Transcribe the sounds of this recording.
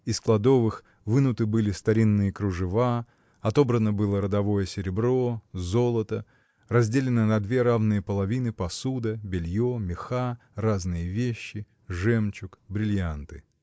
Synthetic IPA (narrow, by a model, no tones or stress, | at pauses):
ɪsklˠɐd̪o̞vɨx | vɨnʊt̪ɨbɨlʲɪst̪ɐɾʲinːɨjəkɾʊʐɨva | ɐt̪o̞bɾənəbɨlˠəɾəd̪ɐvo̞jəsʲɪɾʲɪbɾo̞zolˠət̪ə | rɐzʲdʲelʲɪnənɐd̪vʲe̞ɾavnɨjəpəlˠɐvʲinɨpɐsud̪əbʲɪlʲjomʲɪxa | raznɨjəvʲeɕːɪ | ʐɛmt͡ɕʊkbɾʲɪlʲjant̪ɨ